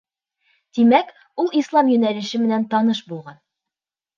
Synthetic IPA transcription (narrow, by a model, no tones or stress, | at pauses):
t̪imæk | ulˠislˠɑmjɵ̆nælɘ̆ʃɘmɘ̆nænt̪ɒnɤʃbulˠʁɑn